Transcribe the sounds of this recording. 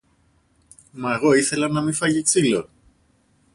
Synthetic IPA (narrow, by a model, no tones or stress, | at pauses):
mɐeɣo̞iθe̞lɐnɐmifɐʎiksilo